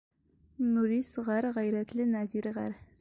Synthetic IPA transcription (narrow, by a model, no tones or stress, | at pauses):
nuɾisʁɑɾʁæjɾæt̪lɘnæziɾʁɑ̰ɾ